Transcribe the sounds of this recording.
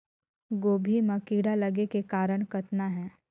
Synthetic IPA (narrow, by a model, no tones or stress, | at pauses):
ɡoːbʱimɐkiːɽalɐɡekekaːɾəɽ̃kət̪naɦɛː